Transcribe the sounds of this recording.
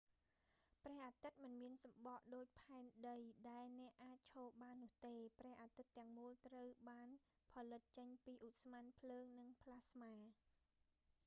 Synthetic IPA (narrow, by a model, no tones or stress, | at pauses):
prɛ̆əhʔaːt̪ɨt̪̚mɨnmiənsɑmɓɑʔɗoːc̚pʰaɛnɗəjɗaɛlnɛ̆əʔːaːc̚t͡ɕʰoːlɓaːnːʊ̆əht̪eːprɛ̆əhʔaːt̪ɨt̪ːɛ̆əŋmuəlt̪rəwɓaːn | pʰɑlɨt̪̚t͡ɕəɲpiːʔut̪̚smanpʰləːŋnɨŋpʰlasmaː